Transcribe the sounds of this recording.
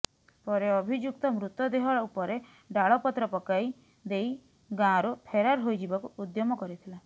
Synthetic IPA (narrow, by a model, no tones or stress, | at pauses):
pɔɾeɔbʱid͡ʒjuk̚t̪ɔmɾut̪jɔd̪eɦɔɭupɔɾe | ɖaɭɔpɔt̪ɾɔpɔkaj | d̪ej | ɡãɾupʰeɾaɾɦojd͡ʒibakuːd̪jɔmɔkɔɾit̪ʰila